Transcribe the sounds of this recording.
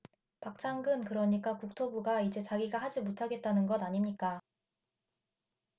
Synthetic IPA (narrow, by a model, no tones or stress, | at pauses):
pak̚t͡ɕ͈ʰaŋɡɯnkɯɾʌɲik͈akuk̚tʰobuɡaid͡ʑe̞t͡ɕaɡiɡahad͡ʑimotʰaɡe̞t̚t͈anɯnɡʌdaɲimɲik͈a